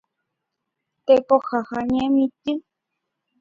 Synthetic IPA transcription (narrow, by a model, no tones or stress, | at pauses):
t̪ekohahaɲẽmĩt̪ɨ